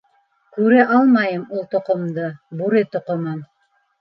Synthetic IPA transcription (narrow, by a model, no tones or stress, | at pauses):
kʉɾɘʔɑlˠmɑjɤmulˠt̪ŏqŏmd̪ɤbuɾɘt̪ŏqŏmɤm